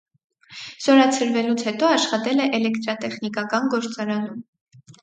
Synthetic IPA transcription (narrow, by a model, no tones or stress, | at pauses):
z̥ɔɾɑt͡sʰəɾvɛlut͡sʰhɛt̪ɔɑʃχɑt̪ɛlɛʔɛlɛkt̪ɾɑt̪ɛχnikɑkɑnɡɔɾt͡sɑɾɑnum